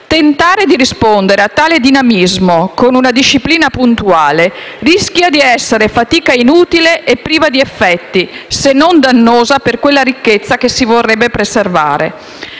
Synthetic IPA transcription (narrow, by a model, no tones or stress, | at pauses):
t̪ent̪aːɾed̪iɾispond̪eɾeat̪ːaːled̪inamizmokonunad̪iʃːipliːnapunt̪uaːle | riskjad̪iɛsːeɾefat̪iːkainuːt̪ileʔepːɾiːvad̪iefːɛt̪ːisenːond̪anːoːzaperkwelːaɾikːet̪sːakesivorːɛbːepɾeserva̰ːɾḛ